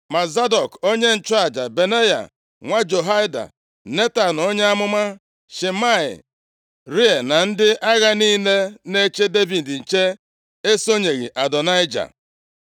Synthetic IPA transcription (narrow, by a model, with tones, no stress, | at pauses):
ma˨za˦dɔ˨ko˦ɲe˦n̩˨t͡ʃʊ˦a˨d͡ʒa˨be˨ne˦ja̰˨ | ŋʷa˦d͡ʒo˨ɦa˦ɪ˦da̰˨ | ne˦ta˨n˨o˦ɲe˦a˦mʊ˦ma˦ | ʃe˨ma˦ɪ̰˨ | ɾi˦e˨na˨n̩˦dɪ˦ʔa˦ɣa˦niː˦le˦ne˦t͡ʃe˦de˦bi˨dn̩˨t͡ʃe˦ | e˦so˦ɲe˨ɣḭ˨ʔa˨dɔ˨na˦ɪ˦d͡ʒa̰˨